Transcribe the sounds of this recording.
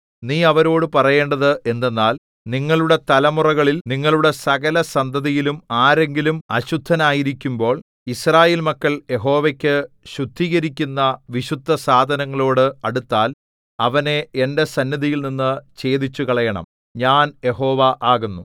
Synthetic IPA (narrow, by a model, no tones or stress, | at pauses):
niːɐʋɐɾo̞ːɽɨpɐrɐje̞ːɳɖɐðɨʔe̞nd̪e̞nːaːl | niŋːɐɭuɽe̞t̪ɐlɐmurɐɣɐɭilniŋːɐɭuɽe̞sɐɣɐlɐsɐnd̪ʱɐðijilumaːɾe̞ŋɡilumɐɕud̪ʱːɐnaːjiɾikʲːumbo̞ːɭ | israːje̞ːlmɐkːɐɭje̞ɦo̞ːʋekʲːɨ | ɕud̪ʱːiːɣɐɾikʲːunːɐʋiɕud̪ʱːɐsaːd̪ʱɐnɐŋːɐɭo̞ːɽɨɐɽut̪ːaːl | ɐʋɐne̞ende̞sɐnːiðijilninːɨt͡ɕe̞ːd̪it͡ɕːukɐɭɐjɐɳɐ̰m | ɲaːnje̞ɦo̞ːʋɐʔaːɣunːu